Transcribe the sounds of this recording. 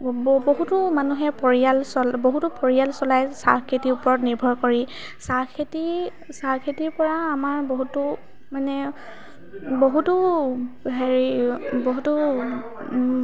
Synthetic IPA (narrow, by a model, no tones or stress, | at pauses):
boɦutʊmanuɦɛpɔɹialsɔlboɦutʊpɔɹijalsɔlajsa̰ɹkʰetiupɔɹɔtniɹbʱɔɹkoɹi | saɹkʰeti | saɹkʰetiɹpɔɹaːmaɹboɦutʊ | manɛ | boɦutʊ | ɦeɹiboɦutʊ